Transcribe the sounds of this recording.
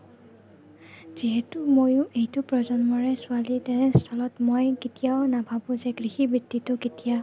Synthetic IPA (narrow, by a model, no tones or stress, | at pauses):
z̥iɦɛtʊmojʊ̃ʔejtʊpɹɔzɔnmɔɹɛsʊalitɛnɛstʰɔlɔtmojketijaʊnabʱabʊ̃zɛɡɹixibɹitːitʊketija